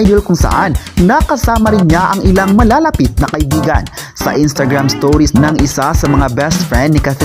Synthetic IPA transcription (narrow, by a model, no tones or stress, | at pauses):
jd̪olkʊŋsɐ̰ʔanː | ɐkɐsaːmɐɾɪnɲaʔɐŋɪlaŋmɐlaːlɐpit̪̚nɐkɐʔɪbiːɡɐ̰nsɐ̰ʔɪnst̪ɐɡɾamst̪oɾisnɐŋʔɪsasɐmɐŋabɛst̪fɹɛnd̪̚nɪkaθɛ